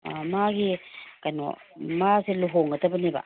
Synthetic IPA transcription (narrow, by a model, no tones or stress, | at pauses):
amaɡikano̰ | maseluɦoŋatabaniba̰